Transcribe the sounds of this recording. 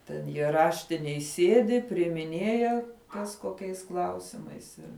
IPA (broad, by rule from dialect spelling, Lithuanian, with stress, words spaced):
tʲɛn jiɛ ˈrɑːʃʲtʲɪnʲeːj ˈsʲiɛdʲɪ pʲrʲɪɪmʲɪˈnʲeːjɛ ˈkɐs koːˈkʲɛɪs ˈklˠɐʊsʲɪmɐɪs ˈɪr